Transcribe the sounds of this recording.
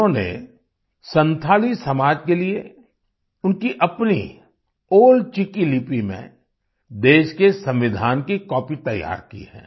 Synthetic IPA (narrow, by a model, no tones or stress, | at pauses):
õnḛ | sə̃nt̪ʰaːlisɐmaːd͡ʒkelie | ʊnkiʔɐpnḭ | oːlt͡ʃɪkilɪpimḛ̃ | d̪eːʃkesɐ̃mʋɪd̪ʱaːnkikɔːpit̪ɐja̰ːɾkḭɦɛ̰̃ː